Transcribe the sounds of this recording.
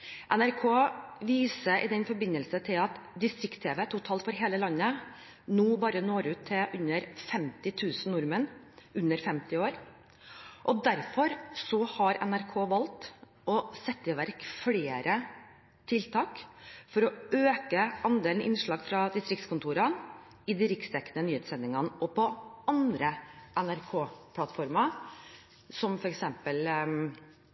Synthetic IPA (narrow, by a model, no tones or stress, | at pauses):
ʔɛnæɾkʰoːʋiːsəʔɪd̪ɛnfɔɾbɪnːəlsət̪ʰɪlɑt̪d̪ɪst̪ɾɪkt̪ʰeːʋɛːt̪ʰʊt̪ʰɑːlfɔɾɦeːləlɑnːə | nuːbɑːɾənoːɾʉːt̪ʰːɪʔʉnːəɾfɛmt̪ɪt̪ʰʉːsn̩nʊɾmənʉnːəɾfɛmt̪ɪoːɾ | ʔɔd̪æɾfɔɾsɔhɑɾɛ̰næɾkʰoːʋɑlt̪ | ɔsɛt̪ːɪʋæɾkfleːɾʔə | t̪ʰɪlt̪ʰɑːkfɔɾɔøːkəɑnd̪eːln̩ʔɪ̰nʂɭɑːɡfɾɑd̪ɪst̪ɾɪkt̪skʊnt̪ʰuːɾɑ | ɪd̪ɪɾɪkst̪ʰɛkːnənyːheːt̪sɛnɪŋɑnəʔɔpɔɑnd̪ɾəʔɛnæɾkʰoːpʰlɑt̪ːfɔɾmɑ | sɔmfɔɾɛksɛmpəl